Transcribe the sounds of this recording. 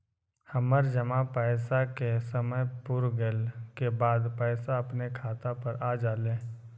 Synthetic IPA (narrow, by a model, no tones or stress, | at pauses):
həməɾd͡ʒəmãpɛːsakesəməjpʊɾɡelkebaːd̪pɛːsaɐpnekʰaːt̪apɐɾaːd͡ʒaːlẽː